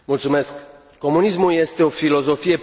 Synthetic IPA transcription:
mult̪sume̞skː | o̞munismulje̞st̪e̞o̞filo̞zo̞fije̞

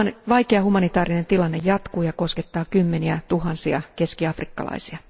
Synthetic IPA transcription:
ʋɑikeɑhumɑnit̪ɑːrine̞nt̪ilɑnːejɑt̪kuːjɑko̞sket̪ːɑːkymːeniæt̪uɦɑnsiɑ̰ke̞skiɑfrikːɑ̰lɑ̰isiɑ

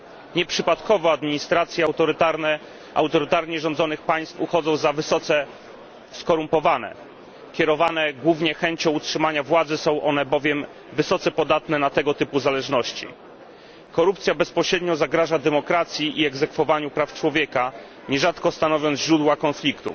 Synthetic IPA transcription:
ɲɛpʂɘpat̪kɔvɔad̪mʲiɲist̪ɾat̪sʲjɛawt̪ɔɾt̪aɾnɛ | ʔa̰wt̪ɔɾɘt̪aɾɲɛʐɔnd̪zɔnɘxpaj̃st̪fuxɔd̪zɔ̃w̃zavsɔt̪sɛ | skɔɾumpɔvanɛ̰ | kʲɛɾɔvanɛɡwuvɲɛxɛɲt͡ɕɔ̃w̃utʂɘmaɲavwad̪zɘsɔ̃w̃ʔɔnɛbɔvʲjɛm | vɘsɔt̪sɛpɔd̪at̪nɛnat̪ɛɡɔt̪ɘpuzalɛʐnɔɕt͡ɕḭ | kɔɾupt̪sʲjabɛspɔɕɾɛd̪ɲɔzaɡɾaʐad̪ɛmɔkɾat̪sʲjiʔiɛɡzɛkfɔvaɲupɾaft͡ʂwɔvʲjɛka | ɲɛʐat̪kɔst̪anɔvʲjɔnt̪ʑɾud̪wakɔnflʲikt̪ṵ

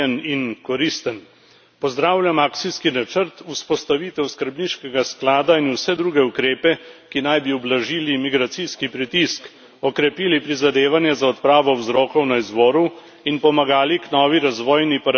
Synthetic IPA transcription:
ɛninkɔɾist̪ən | pɔzd̪ɾaːwlʲjamaːktsiskinat͡ʃəɾt̪uspɔst̪aʋit̪ɛwskəɾbniʃkɛɡasklaːd̪ainusɛd̪ɾuːɡɛukɾeːpɛkinajbiɔblaʒiːlimiɡɾat̪siskipɾit̪isk | ɔkɾɛpiːlipɾizad̪eːʋanjɛzaɔt̪pɾaːʋɔwzɾɔːkɔwnaizbɔːɾu | inpɔmaɡaːliknɔːʋiɾazʋɔːjnipaɾ

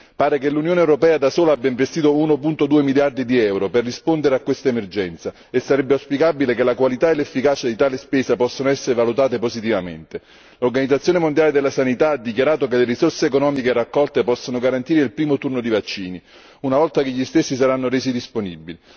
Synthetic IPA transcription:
paːɾekelːunjoːneɛwɾopɛːad̪asoːlaabjaiɱvest̪iːt̪ounopunt̪od̪uːemiljard̪id̪iɛwɾoperːispond̪eɾeakːwest̪aemerd͡ʒɛnt̪sa | esːaɾɛbːeawspikaːbilekelakwalit̪aelːefːikaːt͡ʃad̪it̪aːlespeːzapɔsːonoɛsːeɾevalut̪aːt̪epozit̪̬ivamḛnt̪e | lorɡanid̪zat̪sjoːnemond̪jaːled̪elːasanit̪aad̪ːikjaɾaːt̪ok̬eleɾisorseːkonɔːmikerakːɔlt̪epɔsːonoɡaɾant̪iːɾeilpɾiːmot̪urnod̪ivat͡ʃːiːni | unavɔlt̪akeʎːist̪esːisaɾanːoɾeːzid̪isponibːili

